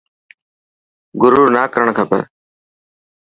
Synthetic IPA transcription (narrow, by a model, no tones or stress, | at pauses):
ɡʊɾuːnaːkəɾəɳkʰəpɛ̰ː